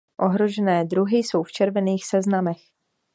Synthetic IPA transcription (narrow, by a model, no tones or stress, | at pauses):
ʔo̞ɦɾo̞ʒɛnɛːd̪ɾuɦɪjso̞wft͡ʃɛɾvɛniːxsɛznamɛx